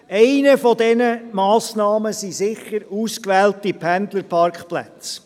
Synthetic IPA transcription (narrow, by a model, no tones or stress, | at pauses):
ɛɪnəfɔdɛnəmɑːsnɑːməsizɪχəɾuːskʋɛːltipʰænd̪ləɾpʰɑrkχplæ̰t͡s